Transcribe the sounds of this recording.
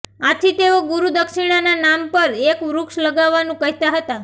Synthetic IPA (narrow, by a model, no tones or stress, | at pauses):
at̪ʰit̪eoɡuɾud̪əkʃiɽ̃ananampəɾekʋɾukʃləɡaʋːanũkəɦt̪aɦət̪a